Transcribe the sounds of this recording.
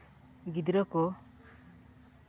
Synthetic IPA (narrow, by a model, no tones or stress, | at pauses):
ɡid̪ɾɔkɔ